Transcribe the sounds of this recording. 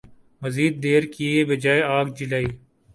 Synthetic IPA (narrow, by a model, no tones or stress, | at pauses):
məziːd̪̚ːeːɾkiebɪd͡ʒaːeaːɡd͡ʒɪlaːiː